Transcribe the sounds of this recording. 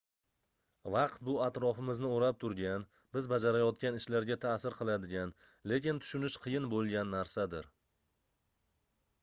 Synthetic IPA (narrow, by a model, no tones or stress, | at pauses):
vɑqt̪̚bʊat̪ɾɒfɪmɪznɪoɾap̚t̪ʰʊɾɡʲan | bɪzbad͡ʒaɾajɒt̪̚kʲanɪʃlaɾɡʲat̪ʰasɪɾqʰɨlˠad̪ɪɡʲan | le̞kʲɪnt̪ʰʊ̥ʃʊnɪʃqʰɨjɪnbolˠɡʲanːaɾsad̪ɪɾ